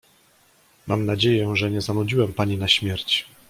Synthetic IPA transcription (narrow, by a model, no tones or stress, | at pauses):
mʔa̰mnad͡ʑejɛʐɛɲɛzanud͡ʑiwɛmpaɲinaɕmʲjɛɾt͡ɕ